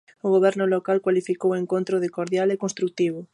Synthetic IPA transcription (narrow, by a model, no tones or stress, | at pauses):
ʊɣoβɛɾnʊlokalkwalifikoweŋkont̪ɾʊðɪkoɾðjalekonst̪ɾuk̚t̪iβʊ